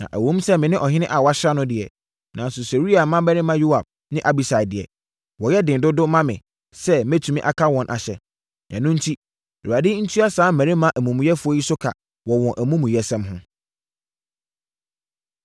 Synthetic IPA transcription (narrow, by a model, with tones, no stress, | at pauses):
nã̰˨ʔæ̰˨wõ˦m˦sɛ˦mɪ̃˨nɪ̃˦ʔɔ˨ɦɪ̃˦nɪ̃˦ʔa˨wa˦ɕɾa˦nʊ̃˦dɪ˨ɛ˨ | nʔã̰˨n˦sʊ˨se˨ɾi˦a˨mã˦bɛ˦nɪ̃˦mã˦jo˦a˨b̚ | nɪ̃˦ʔa˨bi˨sa˨ɪ˨dɪ˨ɛ̰˨ | wɔ˨jɛ˦dɪ̃˨ndʊ˦dʊ˦mã˦mɪ̰̃˨ | sɛ˦mæ˦tʰu˨mĩ˦ʔa˨kʰa˦wɔ̃˨nʔa̰˨ɕɛ˨ | nã̰˨nʊ̃˦n̩˦tʰi˦˨ | a˨dɪ˦n̩˦tʰu˦a˦saː˨˦m̩˦mæ̃˨ɾɪ̃˦mã˦ʔæ˨mũ˨m̃˨jɛ˦fʊ˦ɔ˦ji˦sʊ˦kʰa̰˨ | wɔ˨wɔ̃˨ʔæ˨mũ˦mũ˨jɛ˦sɛ̃˦mɦʊ̃˦